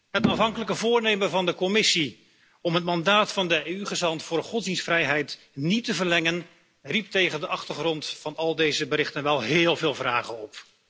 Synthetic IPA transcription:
ɦətafɦɑŋkələkəvʊːɹnejmənvɑndəkɔmɪsi | ɔmɦətmɑndaːtfɑndəeyχəzɑntfʊːdχɔtsdinsfrɛjɦɛjt | nitəvəɹlɛŋən | rip̚tejχəndəʔɑχtəχrɔntfɑnɑlˠdejzəbərɪχtənʋɛlˠɦɪːlˠvɪːlˠvraːχənɔp

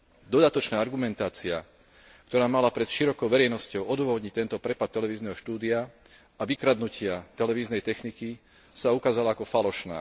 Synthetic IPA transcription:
d̪ɔd̪at̪ɔt͡ʃnaːaɾɡumɛnt̪aːt͡sia | kt̪ɔɾaːmalapɾɛt̪ʃiɾɔkɔʊʋɛɾɛjnɔscɔʊɔd̪ʊʋɔɦɔd̪ɲict̪ɛnt̪ɔpɾɛpat̪ːɛlɛʋiːznɛɦɔʃt̪uːd̪ia | aʋikɾad̪nucɪat̪ɛlɛʋiːznɛjt̪ɛxniki | saukaːzalaakɔfalɔʃna̰ː

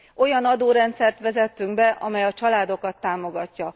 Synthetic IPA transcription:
o̞jɒnɒd̪oːɾɛnt̪sɛrt̪ʋɛzɛt̪ːyŋɡbɛʔɒmɛjɒt͡ʃɒlaːd̪o̞kɒt̪ːaːmo̞ɡɒcːɒ

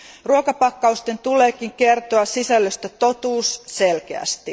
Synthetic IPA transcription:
ruokɑpɑkːɑust̪e̞nt̪ule̞ːk̟iŋke̞rt̪oɑssisælːøst̪æt̪o̞t̪uːsse̞lk̟e̞æ̰st̪i

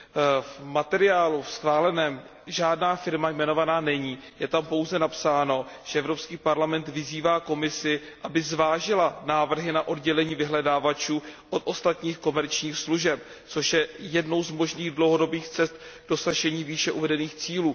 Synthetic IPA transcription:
vmat̪ɛɾɪaːlufsxvaːlɛnɛːm | ʒaːdnaːfɪɾmajmɛno̞vanaːnɛɲiːjɛt̪ampo̞wzɛnapsaːno̞ʒ̥ɛʔɛvɾo̞pskiːpaɾlamɛnt̪vɪziːvaːko̞mɪsɪ | ʔabɪzvaːʒɪlanaːvr̩ɦɪnaʔo̞dɟɛlɛɲiːvɪɦlɛdaːvat͡ʃuːʔot̪ʔo̞st̪at̪ɲiːxko̞mɛɾt͡ʃɲiːxsluʒɛp̚ | t͡soʃjɛjɛdno̞wzmo̞ʒniːɣdlo̞wɦo̞do̞biːxt͡sɛst̪̚ɡdo̞saʒɛɲiːviːʃɛʔuvɛdɛniːxt͡siːluː

